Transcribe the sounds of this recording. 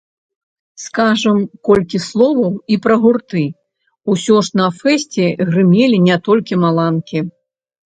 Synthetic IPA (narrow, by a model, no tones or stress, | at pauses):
skaʐɐmkɔlʲkʲislˠɔvɐwipɾɐɣurt̪ɨ | usʲɔʂnɐfɛsʲt͡sʲɛɣrɨmʲelʲinʲɛt̪ɔlʲkʲimalˠankʲi